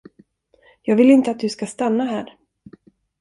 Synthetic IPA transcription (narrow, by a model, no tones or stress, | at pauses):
jɑːɡvɪlɪnt̪əat̪̚d̪ɵskast̪anːaɦæːɾ